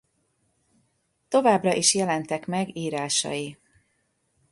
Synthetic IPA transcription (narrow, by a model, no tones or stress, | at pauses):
t̪o̞vaːbrɒʔiʃjɛlɛnt̪ɛkmɛɡiːɾaːʃɒ̰ji